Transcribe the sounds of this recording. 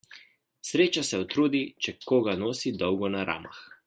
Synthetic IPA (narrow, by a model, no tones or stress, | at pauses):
sɾeːt͡ʃasɛɔt̪ɾuːd̪it͡ʃɛkoːɡanoːsid̪ɔwɡɔnaɾa̰ːma̰x